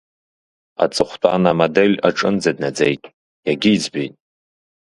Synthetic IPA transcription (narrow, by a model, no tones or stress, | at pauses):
a̰t͡sʼɨχʷtʰʼanamodelʲaʈ͡ʂʼɨnd͡zadnad͡zejtʼ | jaɡʲiːd͡zbijtʼ